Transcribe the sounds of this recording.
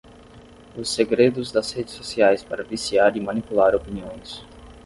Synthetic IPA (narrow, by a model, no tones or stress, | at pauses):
ʊsːeɡɾed̪ʊzd̪ɐshed͡ʒɪsːosiajspaɾɐvisiaɾimanipulaɾopiniõj̃s